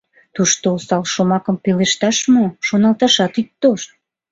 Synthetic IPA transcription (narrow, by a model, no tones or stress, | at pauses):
t̪uʃt̪oosɑlʃomɑkəmpeleʃt̪ɑʃmoʃonɑlt̪ɑʃɑt̪yk̚t̪ːoʃt̪̚